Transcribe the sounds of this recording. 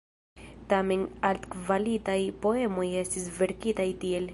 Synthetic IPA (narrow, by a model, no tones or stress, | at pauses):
tamenaltkvalitajpo̞e̞mo̞je̞stisve̞ɾkitajtie̞l